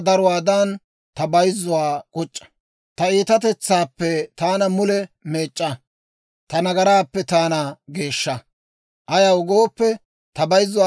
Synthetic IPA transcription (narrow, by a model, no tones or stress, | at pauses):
d̪ɐɾʊwaːd̪ɐn | t̪ɐbɐjzːʊwaːkʼɔt͡ʃʼːɐ̥ | t̪ɐiːt̪ɐt̪̬ɛt͡sːaːpːɛt̪aːnɐmʊlɛme̞ːt͡ʃʼːɐ | t̪ɐnɐɡɐɾaːpːɛt̪aːnɐɡe̞ːʃːɐ | ʔɐjɐwʊɡo̞ːpːɛ | t̪ɐbɐjzːʊw